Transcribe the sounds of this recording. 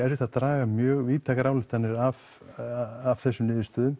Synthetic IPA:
ɛɾvɪt̪aðt̪ɾaːɣamjœːɣviːt̪ʰakaɾaːwlɪt̪ʰːanːɪɾav | av̥θɛsːʏmnɪːðɪst̪œːðʏm

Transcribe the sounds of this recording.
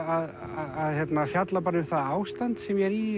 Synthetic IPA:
að | ðaðçjɛt̪nafjat̪lapaːɾʏθaðaːwst̪ant̪sɛmjɛɾi

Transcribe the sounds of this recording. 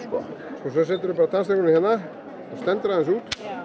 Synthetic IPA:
ɔskɔs̬œsɛlt̪ʏɾʏpaːɾat̪ʰanst̪ɛkʏnɪhɛnːa | st̪ɛnt̪ʏɾaðɛnsuːt̪

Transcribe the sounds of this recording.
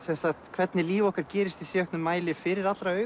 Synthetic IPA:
sɛnsaxt̪kʰvɛt̪nɪliːvɔhkaɾ̥cɛːɾɪst̪isjɛœhknʏmːaːjlɪfɪɾɪɾat̪lɾaœː

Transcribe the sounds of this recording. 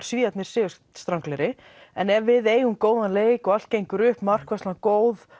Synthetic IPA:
ɾ̥sviːat̪nɪɾ̥sɪʏs | st̪ɾawŋklɛɾɪ | ɛnɛɾvɪðeːjʏmkoːwðanleːjkɔɣal̥t̪̚cejŋkʏɾʏhpmar̥kvɛst̪akoːwð

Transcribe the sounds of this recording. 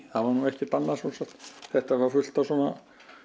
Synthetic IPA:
θaʋanuːɛhcɪt̪anːasusɛt̪θɛht̪avafʏl̥t̪asuonːa̰

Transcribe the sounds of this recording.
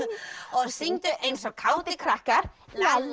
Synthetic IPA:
ɔðsɪŋt̪ʏʔejnsɔkʰawt̪ɪkʰɾahkaɾa

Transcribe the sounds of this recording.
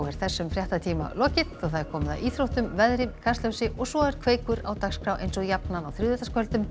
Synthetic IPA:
wɛɾ̥θɛsːʏmfɾjaht̪at̪ʰiːma̰lɔcɪt̪ɔɣθaðɛɾkʰɔːmɪða̰iːθɾowht̪ʏmvɛðɾɪmkʰast̪lœwsɪʔɔɣsɔɛɾ̥kʰveːjkʏɾa̰wt̪akskʰɾawʔḛjnsɔɣjapnanawθɾɪːðʏt̪askʰœlt̪ʏm

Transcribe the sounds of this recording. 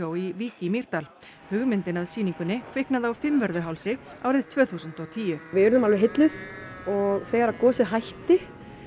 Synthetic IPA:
owiviːcimiɾ̥t̪al | hʏɣmɪnt̪ɪnaðsiːniŋkʏnːɪkʰvɪhknaðawfɪmvɛɾðʏɦawlsɪa̰ːwɾɪðt̪ʰvœːθusʏnt̪ɔt̪ʰiːjʏvɪʏɾðʏmalvɪɦɪt̪lʏðɔɣθɛːɣaɾaðkɔːsɪðɦajht̪ɪ

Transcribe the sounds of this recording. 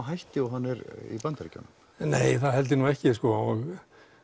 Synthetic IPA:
ɦajht̪ɪɔɦanːɪɾḭpant̪aɾica̰na | neːjθaðhɛlt̪̬ɪnuɛhcɪskɔɔɣ

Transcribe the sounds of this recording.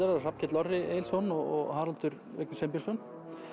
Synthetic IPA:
aɾaar̥ap̚cʰɪt̪lɔrːɪejlsɔnɔɣɔ̰ɣɦaːɾalt̪ʏɾ | ɛknʏsemp̬jɪsœn

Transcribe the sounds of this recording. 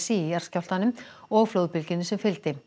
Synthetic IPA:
siɛɾ̥scawl̥t̪anʏmɔɣflowðpɪlcɪnːʏsɛmfɪlt̪ɪ

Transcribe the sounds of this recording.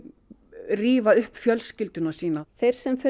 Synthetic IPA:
riːvaʏhpfjœlscɪlt̪ʏnasiːnaθejɾ̥sɛmfɪ

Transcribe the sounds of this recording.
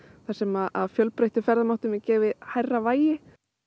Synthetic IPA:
θasɛmaðaðfjœlpɾejht̪ɪfɛɾðamawht̪ʏmɛcɛːvɪhajrːavaːjɪ

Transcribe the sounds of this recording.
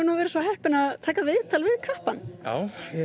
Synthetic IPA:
nuvɛːɾɪsvaɦɛhpɪnaðt̪ʰaːjkaðvɪðt̪ʰalvɪðkʰahpanja̰ːwɛ

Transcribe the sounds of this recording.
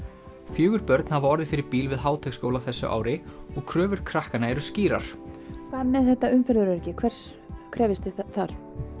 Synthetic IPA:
fjʏːɣʏɾpœɾt̪nhavɔɾðɪfɪɾɪɾpiːlvɪðɦaːwt̪ʰɛxskoːwlaθɛsːʏ̰ʔa̰ːwɾɪɔɣkʰɾœːvʏɾ̥kʰɾahkanaɛɾʏsciːɾa̰ɾ̥kʰvaːðmɛðθɛht̪ːaʏmfɛɾðʏɾɛɾcɪkʰvɛr̥s | kʰɾɛːvɪst̪ɪθaɾ̥

